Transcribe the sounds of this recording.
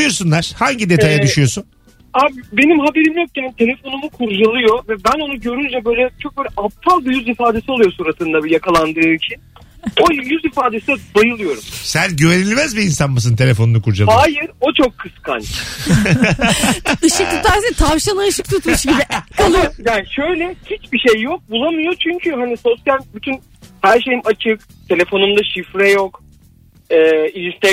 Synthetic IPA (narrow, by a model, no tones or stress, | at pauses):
joɾsunlˠaɾ̥haɲɟid̪e̞t̪ʰajad̪yyjo̞sun | aːbbe̞nimɦabe̞ɾimjok̚jant̪ʰe̞lʲe̞fo̞numukʰuɾd͡ʒalˠɯjo̞vɛbæno̞nuɟø̞ɾynd͡ʒɛbø̞jlʲɛt͡ʃʰok̚bøːlʲɛʔap̚t̪ʰalˠbijyzifaːd̪esiolˠujosuːɾat̪ɯnd̪abijakʰalˠand̪ɯːlt͡ʃcʰin | ojijyzifaːd̪e̞sɛd̪ajɯlˠɯjo̞ɾumsænɟyvenilʲmæzbiːnsanmas̬ɯnt̪ʰe̞lʲefo̞nunukʰuɾd͡ʒalˠaːjiɾo̞t͡ʃʰokʰːɯskʰa̰n | ɯʃɯkt̪ʰukt̪ʰaɾset̪ʰavʃanaɯʃɯk̚t̪ʰut̪muʃɟibialˠjaːniʃøjlʲɛhit͡ʃbiʃejːok̚bulˠamɯjo̞t͡ʃʰyɲcʰyɦaniso̞sjalʲbyt̪ʰyn | hæɾʃejmʔat͡ʃʰɯk | t̪ʰe̞lʲe̞fo̞numd̪aʃifɾɛjok | ɛːilist̪ʰɛ